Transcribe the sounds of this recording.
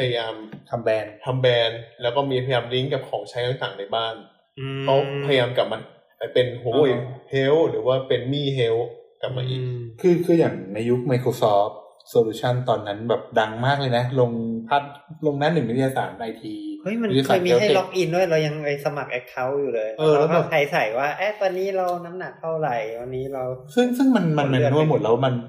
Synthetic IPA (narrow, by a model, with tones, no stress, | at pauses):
pʰa˧ja˧jaː˧mt̪ʰa˧mbɛː˧nt̪ʰa˧mbɛː˧nlɛː˦˥wkɔː˥˩miː˧pʰa˧jaː˧mli˦˥ŋka˨˩p̚kʰɔː˩˦ŋt͡ɕʰa˦˥jt̪ʰa˨˩ŋt̪aː˨˩ŋna˧jbaː˥˩n | ɯ˧kʰɔː˥˩pʰa˧jajaː˧mka˨˩p̚ma˧n | ʔa˧˩pe˧nɦo˦˩jhe˦˥wɾɯː˩˦waː˥˩pe˧nmiː˥˩ɦe˦˥wka˨˩p̚maː˧ʔḭː˨˩kkʰɯː˧˩kʰɯː˧˩jaː˨˩ŋna˧jːu˦˥k̚ma˧jkʰoː˧sɔː˦˥p̚ | soː˧luː˦˥t͡ɕʰa˥˩nt̪ɔː˧nːa˦˥nbɛː˨˩p̚da˧ŋmaː˥˩k̚lɤː˧jna˦˥lo˧ŋpʰa˦˥t̪̚lo˧ŋna˦˥nɯ˨˩ŋwi˦˥t̪ʰi˧jaː˧saː˩˦nʔaː˧jt̪ʰiː˧ʔɤ˦˥˩jma˧n˦t̪i˧kːaɤː˧jmi˦˧˦a˥˩˨lɔ˦˥k̚ʔi˧ndu˥˩əjɾa˧wja˧ŋa˧jsa˧ma˨˩k̚ʔɛ˦˥kʰːa˦˥wjuː˨˩lɤː˧jʔɤː˧a˧a˧˩kʰa˨˩jsa˨˩˦jwaː˥˩ʔaː˦˥˩t̪ɔː˧nːiː˦˥ɾa˧wna˦˥mna˨˩k̚t̪ʰa˥˩wɾa˨˩jt̪ɔː˧nːiː˦˥ɾa˧wsɯ˥˩ŋsɯ˥˩ŋma˧nma˧nma˧nnu˥˩˧jmo˨˩t̪̚lɛ˧wma˧n